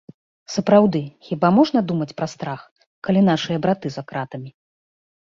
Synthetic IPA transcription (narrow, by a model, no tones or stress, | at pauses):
sɐpɾawd̪ɨxʲibamɔʐnɐd̪umɐt͡sʲpɾɐst̪ɾax | kalʲin̪aʂɨjɐbɾat̪ɨzakɾat̪ɐmʲi